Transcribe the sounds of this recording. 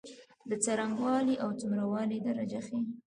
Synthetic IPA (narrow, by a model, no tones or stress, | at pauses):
d̪ət͡saɾaŋɡwɑliʔawt͡sʊmɾawɑlid̪aɾad͡ʒaxe